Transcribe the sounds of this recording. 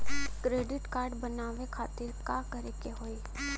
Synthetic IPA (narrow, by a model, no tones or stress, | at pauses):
kɾeːɖɪʈkaːɾɖbənaːʋekʰaːt̪ɪɾkakəɾekeɦoːe